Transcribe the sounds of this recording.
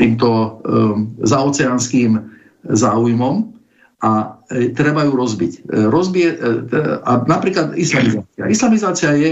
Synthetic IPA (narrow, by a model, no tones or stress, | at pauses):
t̪iːmt̪̬ɔ | zaɔːt͡sɛanskiːm | zaːujmɔm | ʔat̪ɾɛbajuɾɔzbicɾɔzbiɛ | anapɾiːklad̪islamizaːt͡sia̰ʔislamizaːt͡siajɛ